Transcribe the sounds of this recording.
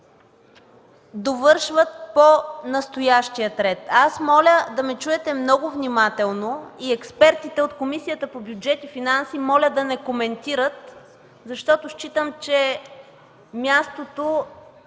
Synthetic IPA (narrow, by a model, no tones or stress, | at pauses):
d̪ovɤɾʃvət̪̚ponɐst̪ojaʃt̪ijət̪ɾɛt̪asmɔlʲəd̪ɐmɛt͡ʃuɛt̪ɛmnɔɡʊvnimat̪ɛlˠnoiɛkspɛɾt̪it̪ɛot̪komisijət̪əpobjud͡ʒɛt̪ifinansimɔlʲəd̪ɐnɛkomɛnt̪iɾət̪ | zɐʃt̪ɔt̪oʃt͡ʃit̪əmt͡ʃɛ | mʲjast̪ot̪o